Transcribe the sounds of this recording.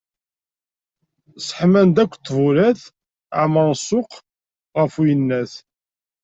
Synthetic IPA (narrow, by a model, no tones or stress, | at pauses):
sə̥ħmænd̪ækʷːt̪ˤːvuɾæθ | ʕməɾsˤːʊq | ʁəfujənːæθ